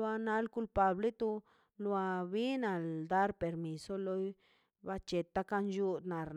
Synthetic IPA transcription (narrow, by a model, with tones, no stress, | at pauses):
a˧na˧lku˧˦lpa˨ble˦t̪u˧ | lwa˧bi˦na˨ld̪a˦ɾpe˨ɾmi˨so˦lo˧˦j | ba˧t͡ʃe˨t̪a˦ka˧nd͡ʒu˦d̪na˨ɾn